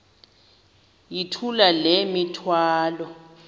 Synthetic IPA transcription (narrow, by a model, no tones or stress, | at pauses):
jitʰulalemitʰwaːlɔ